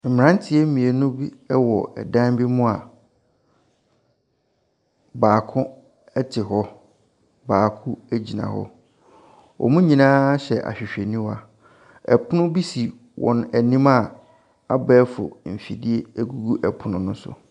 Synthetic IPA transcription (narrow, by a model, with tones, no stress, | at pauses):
m̩˨m˨ɾã˦n˦tʰɪ˨˦e˦mĩ˨e˨nʊ̃˦bi˦ɛ˦wɔ˨ɛ̰˨dã˦bi˦mʊ̃˦a˨ | baː˨kʰʊ̃˦ | ɛ˦tʰɪ˨ɦɔ˦ | baː˨kʰʊ˦æ˦d͡ʑi˨nã̰˨hɔ̰˦ | ɔ̰˨mũ˦ɲĩ˨nãː˦ɕɛ˨ʔa̰˨ɕᶣɪ˨ɕᶣe˨nĩ˦wa˨ | ɛ̰˨pʰʊ˦nʊ̃˦bi˦si˨ | wʔɔ̰̃˨næ˨nĩ˦ma˦ | a˦bɛː˦fʊ̰˨m̩˨fḭ˨di˦e˦æ˦ɡu˦ɡu˦ʔɛ˨pʰʊ˨nʊ̃˦nʊ̃˦sʊ̰˨